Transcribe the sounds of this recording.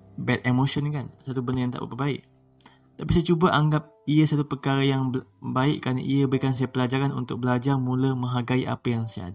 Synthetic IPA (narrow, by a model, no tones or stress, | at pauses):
bɛt̪̚emoʃɔnkansat̪ubəndərjaŋt̪a̰ʔbə̰pəbaɪʔ | t̪apisajat͡ʃubaʔaŋɡap̚iəsat̪upərkaɾajaŋbaɪ̰ʔkːɾana̰ʔiəbəɾikans̬ajapəlad͡ʒaɾanṵnt̪ʊk̚bəlad͡ʒarmũləmə̃ŋɦaɡaiʔa̰pəjaŋsajaa̰da